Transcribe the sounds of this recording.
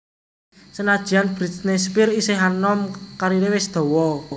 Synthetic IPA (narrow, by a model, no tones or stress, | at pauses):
sənad̥ʒ̥i̤anb̥ɾit̪nɛspɪriseɦanɔmkaɾiɾewɪsd̪̥ɔ̤wɔ